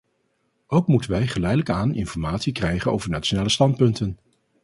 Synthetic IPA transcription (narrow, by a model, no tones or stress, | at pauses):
ʔowkmutənʋɛjχəlɛjdələkaːnɪ̰nfɔɹmaːtsikrɛjχəno̰wvəɹnaːt͡ʃonaːləstɑnt̚pɵntən